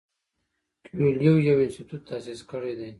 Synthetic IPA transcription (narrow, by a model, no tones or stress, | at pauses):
kwiljowjawɪnst̪ɪt̪ut̪ʰːasiskəɽed̪e